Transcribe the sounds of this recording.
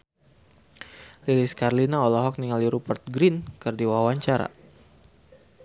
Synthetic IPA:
liliskarlinaɔlɔɦɔk̚niŋaliɾupərt̪̚ɡɾinkɨrdiwawaɲt͡ʃaɾa̰

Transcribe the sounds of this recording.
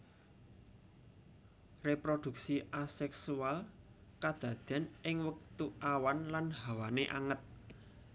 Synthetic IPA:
repɾod̪̥ṳk̚siʔasɛksual | kad̪̥ä̤d̪̥a̤nʔɪŋwək̚t̪uʔawanlanɦawaneʔaŋət̪̚

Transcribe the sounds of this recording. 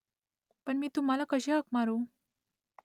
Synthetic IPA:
pəɳmiːt̪um̤alakəɕeɦəkmaɾu

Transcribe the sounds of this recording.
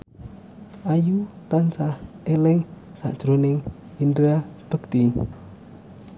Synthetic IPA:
ʔajut̪ansah | elɪŋsa̰ʔʒ̥ɾonɪŋ | indɾab̥əɡt̪i

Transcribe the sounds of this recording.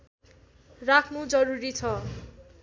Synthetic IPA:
rakʰnud͡zʌɾuɾit͡sʰʌ

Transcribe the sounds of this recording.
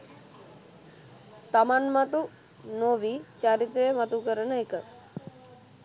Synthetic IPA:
t̪amanmat̪u | noʋit͡ʃaɾit̪ːeemət̪ukəɾəɳəjkəɾ

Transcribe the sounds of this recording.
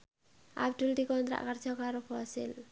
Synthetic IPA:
ʔa̰b̚ɖ̪uld̪ikɔnt̪ɾa̰ʔkərd͡ʒɔkaɾopɔsɪ̰l

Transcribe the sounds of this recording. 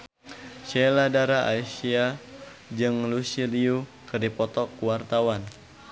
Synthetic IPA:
ʃeladaɾaa̰isia | d͡ʒɨŋlusiliukɨdipɔt̪ɔkuwart̪awan

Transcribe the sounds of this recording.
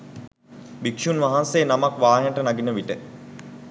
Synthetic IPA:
bikʃunʋaɦanseːnamakʋaːɦenəʈənaɡinəʋiʈə

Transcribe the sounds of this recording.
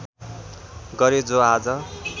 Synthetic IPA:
ɡʌɾed͡zoad͡zʌ

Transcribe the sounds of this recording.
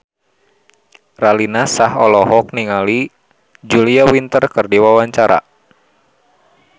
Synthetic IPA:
ralinasahɔlɔɦɔk̚niŋali | d͡ʒuliawint̪ərkərdiwawaɲt͡ʃaɾa̰

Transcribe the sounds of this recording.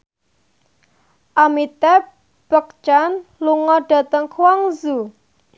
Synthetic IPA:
ʔamit̪ɛ | b̥ək̚t͡ʃanluŋɔɖ̥a̤t̪əŋkʰwaŋzu

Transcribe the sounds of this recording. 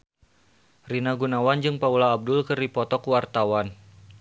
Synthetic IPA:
rinaɡunawand͡ʒɨŋpaulaːb̚dʊlkɨrdipɔt̪ɔkwart̪awan

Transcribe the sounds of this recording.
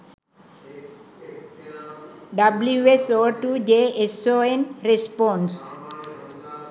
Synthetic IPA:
ɖabluesoɾʈuːd͡ʒeesoẽnɾespɔ̃ns

